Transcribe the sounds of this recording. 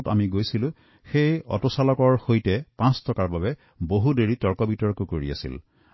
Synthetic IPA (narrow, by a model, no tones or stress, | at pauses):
ta̰miɡojsilʊ̃ | xejɔ̰tɔsalɔkɔɹxojtɛpãstɔkaɹbaβɛ | boɦudeɹitɔɹkɔbitɔɹkukoɹḭa̰sḭl